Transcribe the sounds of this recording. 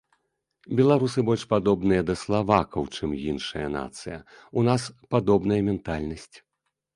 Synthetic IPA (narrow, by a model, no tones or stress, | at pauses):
bʲɛlˠaɾusɨbɔlʲʂpad̪ɔbnɨjɐd̪ɐslˠavakɐwt͡ʂɨmjinʂɐjɐ̰na̰t̪sɨjɐ | unaspad̪ɔbnɐjɐmʲɛnt̪alʲnɐsʲt͡sʲ